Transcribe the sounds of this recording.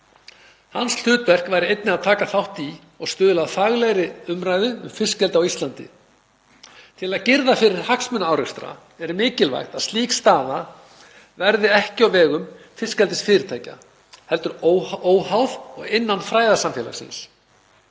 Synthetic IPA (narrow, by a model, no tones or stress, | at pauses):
hansl̥ʏːt̪vɛr̥kvaːjɾɪejt̪nɪaðt̪ʰaːkaθawht̪i | ɔɣst̪ʏːðʏlaðfaɣlɛjɾɪʏmɾajðʏʏmfɪscɛlt̪awist̪lant̪ɪ̰ | t̪ʰɪlaðcɪɾðafɪɾɪɾ̥haksmʏnaaːwɾɛkst̪ɾa̰ | ɛɾmɪːcɪlva̰jxt̪aðst̪liːkst̪aːða | vɛɾðɪɛhcɪɔwvɛːɣʏm | fɪscɛlt̪ɪsfɪːɾɪt̪ʰaːjca̰ | hɛlt̪ʏɾooːwhawðɔɣɪnːanfɾaːjðasamfjɛːla̰sɪ̰ns